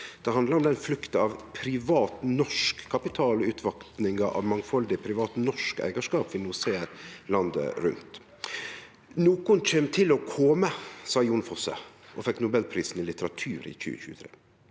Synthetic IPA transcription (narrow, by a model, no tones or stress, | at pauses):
d̪̥ɛhɑnd̪ləɾɔmd̪ɛnflʉkt̪əɑʋpʰɾɪʋɑːt̪nɔʂkkʰːɑpɪt̪ʰɑːlʉt̪ʰʋɑkt̪nɪŋɡəʔɑ̰ʋmɑŋfɔld̪ɪpʰɾɪʋɑːt̪nɔʂkæ̰ɪɡəʂkɑːpʋɪnuseːɾlɑnd̪ə̰ɾʉ̰nt̪ | nuːkʊnc͡çeːmt̪ʰɪlɔkʰɔməsɑːjuːnfɔsə̰ | ʔɔfɛkːnʊbɛlpʰɾiːsn̩ɪlɪt̪əɾɑt̪ʰʉːɾɪ̰çʉ̰ːəçʉ̰ːət̪ʰɾḛː